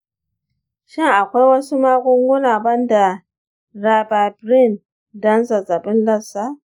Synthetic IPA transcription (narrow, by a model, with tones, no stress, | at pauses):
ʃɪ˦ŋa˨kʷa˦wa˦su˦ma˦ɡʊ˦ŋɡʊ˦la˨bɐ˦nda˨ | ɾa˨ba˨bɾi˦˨n | da˦nza˨za˨bɪ˦nlɐ˦sa˦